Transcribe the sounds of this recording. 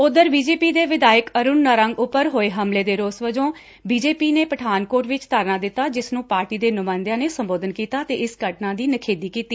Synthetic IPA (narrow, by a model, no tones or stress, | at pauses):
ʊd̪əɾbiːd͡ʒeːpiːd̪eːʋɪd̪aːjəkəɾʊnːəɾəŋɡʊpːəɾɦoːeːɦəmleːd̪eːɾoːsʋəd͡ʒõː | biːd͡ʒeːpiːneːpəʈʰaːnkoːɾʈʋɪt͡ʃt̪aːɾnaːd̪ɪt̪ːaːd͡ʒɪsnũːpaːɾʈiːd̪eːnʊmãːnd̪jãːneːsəmboːd̪ənkiːt̪aːt̪eːɪsɡəʈnãːd̪iːnəkʰeːd̪iːkiːt̪ːiː